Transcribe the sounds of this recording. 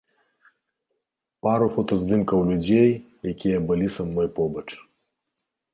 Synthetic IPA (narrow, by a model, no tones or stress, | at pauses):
paɾufɔt̪ɔzd̪ɨmkɐwlʲud͡zʲej | jakʲijɐbɨlʲisɐmnɔjpɔbɐt͡ʂ